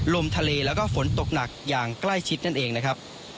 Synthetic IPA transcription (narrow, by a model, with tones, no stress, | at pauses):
lo˧mt̪ʰa˧leː˧lɛː˦˥wkɔː˥˩fo˩˦nt̪o˨˩k̚na˨˩k̚jaː˨˩ŋkla˥˩jt͡ɕʰi˦˥t̪̚na˥˩nʔeː˧ŋna˦˥kʰɾa˦˥p̚